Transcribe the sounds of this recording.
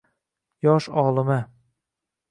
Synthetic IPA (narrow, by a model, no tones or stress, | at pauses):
jɒʃɒlˠɪma